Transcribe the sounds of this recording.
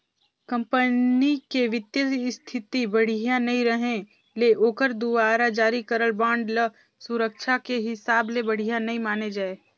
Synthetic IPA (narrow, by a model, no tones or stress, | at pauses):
kɐ̃mpənikeʋɪt̪jəst̪ʰɪt̪ibɐɽ̤ɪjanɐɦĩɾɐɦẽ | leʔoːkəɾd̪ʊbaːɾad͡ʒaːɾikəɾəlbãːɳɖlə | sʊɾəkʃʰakeɦɪsaːblebɐɽ̤ijanɐɦĩmaːned͡ʒaːeː